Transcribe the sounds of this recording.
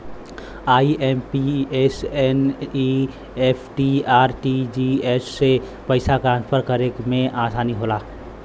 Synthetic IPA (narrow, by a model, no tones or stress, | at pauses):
aːieːmpieseni | epʰʈiaːɾʈid͡ʒiesːe | pəɪsakɾãːnspʰəɾkəɾekmẽʔaːsaːniɦoːla